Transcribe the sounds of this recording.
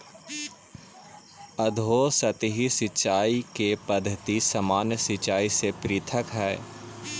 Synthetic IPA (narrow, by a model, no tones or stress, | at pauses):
əd̪ʱoːsɐt̪ɦisɪt͡ʃaːikepɐd̪ʱːət̪isɐmaːnsɪt͡ʃaːisepɾɪːt̪ʰəkɦɛː